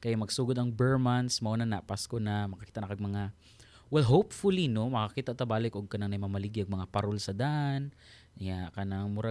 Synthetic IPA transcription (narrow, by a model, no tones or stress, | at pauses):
kɐjamɐɡsuːɡod̪ɐŋbɛɹmansmɐʔonanɐpaskonamɐkɐki̥ːt̪aʔnɐkaɡ̚mɐŋa | wɛlɦowpfʊlinomɐkakiːt̪aʔt̪abaːlɪkʔʊɡ̚kɐnaŋnɐjmɐmɐlɪɡjaɡ̚mɐŋapɐɾolsɐd̪aʔan | jakɐnaŋmʊɾa